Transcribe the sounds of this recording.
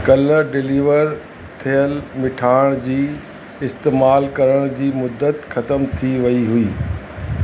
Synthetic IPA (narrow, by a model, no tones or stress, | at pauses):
kɐlɖɪliːʋəɾ | t̪ʰijəlmɪʈʰaːɪɽ̃d͡ʑiː | ɪst̪eːmaːlkɐɾəɽ̃d͡ʑiːmʊd̪ːət̪xɐt̪əmt̪ʰiʋɐiɦʊiː